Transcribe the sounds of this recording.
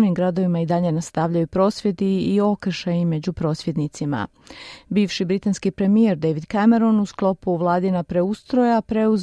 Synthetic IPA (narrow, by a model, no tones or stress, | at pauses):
nimɡɾad̪o̞ʋimaid̪aʎe̞nast̪aʋʎajupɾo̞ːsʋje̞d̪iːo̞kr̩ʃajime̞d͡ʑupɾo̞ːsʋjed̪nit̪sima̰ | biːʋʃibɾit̪anskipɾe̞mije̞ɾd̪eʋid̪kame̞ɾo̞nusklˠo̞puʋlˠaːd̪inapɾe̞ust̪ɾo̞japɾe̞uz